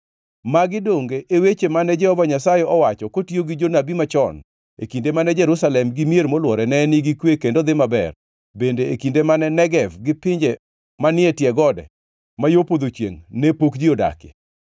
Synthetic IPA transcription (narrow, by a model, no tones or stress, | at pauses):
maɡɪdoŋɡeʔewet͡ʃemanɛd͡ʒɛhɔvaɲasajɛɔwat͡ʃɔkotioɡɪd͡ʒonabimat͡ʃɔn | ḛkindemanɛd͡ʒɛɾusalɛmɡɪmjeɾmolwɔɾɛnɛnɪɡɪkwekendod̪ɪmabɛ̰r | bendeːkindemanɛnɛɡɛvɡɪpɪɲd͡ʒe | manɪɛtjɛɡɔdɛ̰ | majopod̪ot͡ʃjḛŋnepokd͡ʒioda̰kḛ